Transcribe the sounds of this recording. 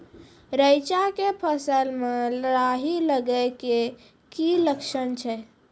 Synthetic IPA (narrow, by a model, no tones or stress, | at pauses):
ɾəjt͡ʃakepʰəsəlmelɾaɦiləɡəɪke | kiləkʃənt͡ʃʰɛ